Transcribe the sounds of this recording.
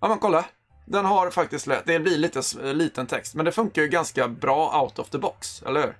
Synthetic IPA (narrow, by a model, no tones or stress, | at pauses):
ɑmɛnkʰɔlːa | d̪ɛnɦaɾfak̚t̪ɪst̪lɛd̪ɛblɪɭiːt̪əsliːt̪ənt̪ʰɛkst̪mɛnd̪ɛfɵŋkaɾjɵɡanskabɾɑːʔa̰ʊt̪ɔfd̪əbɔksɛ̰ləhʉ̟ːɾ